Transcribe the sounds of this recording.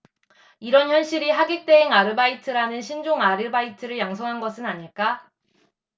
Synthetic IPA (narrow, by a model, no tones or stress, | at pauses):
iɾʌnçjʌnɕ͈ʰiɾiɦaɡek̚t͈e̞eŋaɾɯbaitʰɯɾanɯnɕʰind͡ʑoŋaɾɯbaitʰɯɾɯɭjaŋsʰʌŋɦanɡʌsʰɯnaɲiɭk͈a